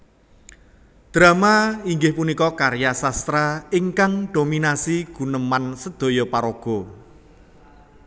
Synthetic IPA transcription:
d̪̥ɾamaiŋɡɪhpunikɔkaɾjasast̪ɾaiŋkaŋɖ̥ominasiɡ̥ṳnəmansəd̪̥o̤jɔpaɾoɡ̥ɔ̤

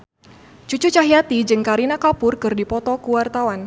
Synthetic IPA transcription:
t͡ʃut͡ʃut͡ʃaɦiat̪id͡ʒɨŋkaɾinakapʊrkɨrdipɔt̪ɔkuwart̪awan

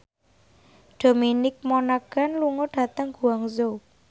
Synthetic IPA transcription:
ɖ̥o̤minɪk̚monaɡ̥a̤nluŋoɖ̥a̤t̪əŋɡ̥ṳaŋzo

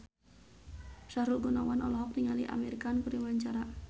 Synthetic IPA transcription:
ʃaɾulɡunɔwanɔlɔɦɔk̚t̪iŋaliʔa̰meɾikankuɾiwaɲt͡ʃaɾa

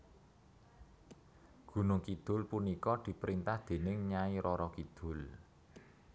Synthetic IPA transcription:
ɡ̥ṳnʊŋkid̪̥ʊ̤lpunikɔd̪̥i̤pɾint̪ahd̪̥e̤nɪŋɲaiɾɔɾɔkid̪̥ʊ̤l

